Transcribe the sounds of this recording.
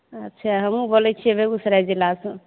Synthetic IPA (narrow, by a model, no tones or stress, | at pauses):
ətːʃʰaɦəmũbolɛt͡ʃʰiɛbʱeusɾad͡ʒilasə̃